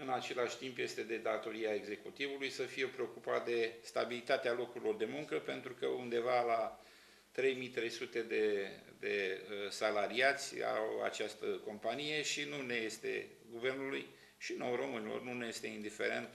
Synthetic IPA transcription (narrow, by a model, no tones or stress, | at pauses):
ɨnat͡ʃe̞laʃʲt̪impje̞st̪e̞d̪e̞d̪at̪o̞ɾiae̞ɡze̞kut̪ivulujsəfijepɾe̞o̞kupat̪̚d̪e̞st̪abilit̪at̪ealo̞kuɾilo̞rd̪e̞muŋkəpe̞nt̪ɾukəund̪e̞vala | t̪ɾe̞jmijt̪ɾe̞jsut̪e̞d̪e̞d̪e̞salaɾiat̪sʲa̰wa̰t͡ʃast̪əko̞mpanije̞ʃinune̞je̞st̪e̞̰ | ɡuve̞rnuluj | ʃino̞wromɨnilo̰rnuneje̞st̪e̞ind̪ife̞̰ɾe̞̰nt̪